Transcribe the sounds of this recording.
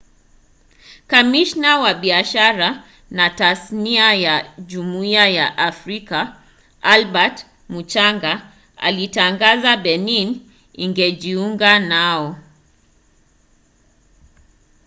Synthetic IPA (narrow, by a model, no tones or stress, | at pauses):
kamiʃnawaɓiaʃaɾa | natasniajaʄumuiajaʔafɾika | alɓat | mut͡ʃaŋɡa | a̰litaŋɡazaɓɛnin | iŋɡɛʄiuŋɡanaɔ